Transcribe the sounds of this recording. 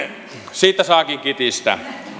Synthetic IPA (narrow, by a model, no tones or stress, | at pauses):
siːt̪ːˑæsɑˑekiŋkit̪ist̪æ̰